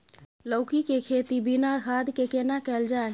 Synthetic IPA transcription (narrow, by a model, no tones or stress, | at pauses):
ləʊkikekʰeːt̪ibinaɡʱaːd̪ʱkekenakɛːld͡ʒaːe